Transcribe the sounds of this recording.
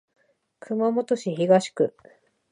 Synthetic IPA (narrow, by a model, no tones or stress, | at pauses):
kʰɯ̟mamo̞t̪o̞ɕiçiɡaɕi̥kɯ̟